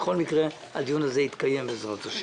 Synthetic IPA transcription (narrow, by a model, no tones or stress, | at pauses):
χo̞lmikʁe | a̰d̪ijunazeit̪kaje̞mbezʁot̪aʃ